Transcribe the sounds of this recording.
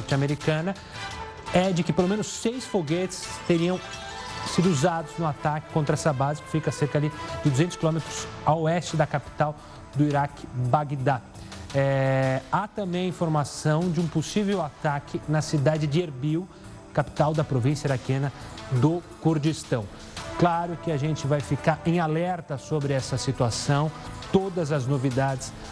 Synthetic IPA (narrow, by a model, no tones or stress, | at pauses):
ɔɾt͡ʃameɾikɐ̃nɐ | ɛd͡ʒɪkɪpelomẽnʊsːejsfoɡet͡ʃɪ̥st̪eɾiɐ̃w̃ | sid̪ʊuzad̪ʊznʊat̪akɪ̥kõnt̪ɾɐɛsɐbazɪkɪ̥fikɐseɾkɐalid͡ʒɪd̪uzẽnt̪ʊskilõmet̪ɾʊsawɛst͡ʃɪd̪ɐkapi̥t̪aw | d̪ʊiɾakɪ̥baɡd̪a | ɛat̪ɐ̃mbẽj̃ɐĩfoɾmasɐ̃w̃d͡ʒɪũposivewat̪akʰɪnɐsid̪ad͡ʒɪd͡ʒɪeɾbiw | kapi̥t̪awd̪ɐpɾovĩsjɐiɾakẽnɐd̪ʊkuɾd͡ʒist̪ɐ̃w̃ | klaɾʊkɪaʒẽnt͡ʃɪvajfikaɾẽj̃alɛɾt̪ɐsobɾɪɛsɐsit̪uasɐ̃w̃t̪od̪ɐzɐznovid̪ad͡ʒɪs